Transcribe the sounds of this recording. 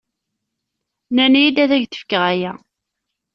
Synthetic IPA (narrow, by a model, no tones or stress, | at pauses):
nænijid̪æðæʝθə̥fkːəʁæjæ